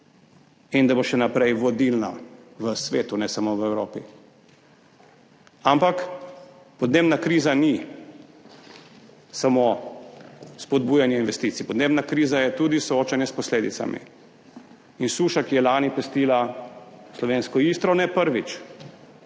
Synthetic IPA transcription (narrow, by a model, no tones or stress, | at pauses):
ind̪aboʃɛnapɾɛjʋɔd̪ilna̰ʋəsʋeːt̪unɛsamoːʋəɛwɾoːpḭ | ampak | pɔd̪neːbnakɾiːzani | samo | spɔd̪̚buːjanjɛinʋɛst̪iːt̪sipɔd̪neːbnakɾiːzajɛt̪ud̪isɔoːt͡ʃanjɛspɔsleːd̪it̪sa̰mḭ | insuːʃakijɛlaːnipɛst̪iːla | slɔʋeːnskɔist̪ɾɔnɛpəɾʋit͡ʃ